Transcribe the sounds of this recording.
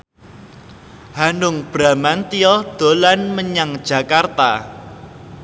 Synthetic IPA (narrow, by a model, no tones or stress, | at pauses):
hanʊŋb̥ɾa̤mant̪iɔd̪̥o̤lanməɲaŋd̥ʒ̥ä̤kart̪a̰